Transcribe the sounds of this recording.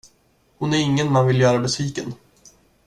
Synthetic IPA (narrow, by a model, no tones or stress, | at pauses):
hʊnæɾɪŋːənmanvɪljœːɾabɛsviːkən